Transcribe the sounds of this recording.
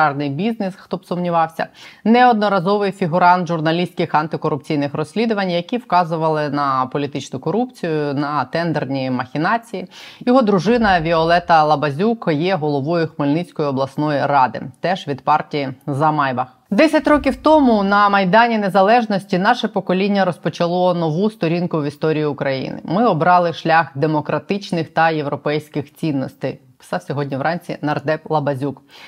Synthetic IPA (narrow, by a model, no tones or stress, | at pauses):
rnɪjbʲiznɪsxt̪ɔbsʊmnʲiʋɑwsʲɐ̰nɛɔd̪nɔɾɐzɔʋɪjfʲiɦʊɾɑnt̪ʒʊrnɐlʲisʲkɪxɐnt̪ɪkɔɾʊp̚t͡sʲijnɪxrɔsʲlʲid̪ʊʋɐnʲjɐkʲiwkɑzʊʋɐlˠɪnɐpɔlʲit̪ɪt͡ʃnʊkɔɾupt͡sʲijʊnɐt̪ɛnd̪ernʲimɐxʲinɑt͡sʲijijɔɦɔd̪ɾʊʒɪnɐʋʲiɔlˠɛt̪ɐlˠɐbɐzʲukjɛɦɔlˠɔʋɔjʊxmɪlʲnɪt͡sʲkɔjɪɔblˠɐsnɔjiɾɑd̪ɪ̰t̪ɛʒʋʲid̪pɑrtʲijizɐmɑjbɐx | d̪ɛsʲɐtʲrɔkʲiwt̪ɔmʊnɐmɐjd̪ɑnʲine̞zɐlˠɛʒnɔsʲtʲinɑʃɛpɔkɔlʲinʲːɐɾɔspɔt͡ʃɐlˠɔnɔʋust̪ɔɾʲinkʊʋʲist̪ɔɾʲijiʊkɾɐjḭnɪ̰mɪɔbɾɑlˠɪʃlʲaxd̪emɔkɾɐt̪ɪt͡ʃnɪxt̪ɐje̞wɾɔpɛjsʲkɪxt͡sʲinːɔst̪ɪj | pɪ̥sɑwsʲɔɦɔdʲnʲiʋɾɑnʲt͡sʲḭnɐrd̪ɛplˠɐbɐzʲuk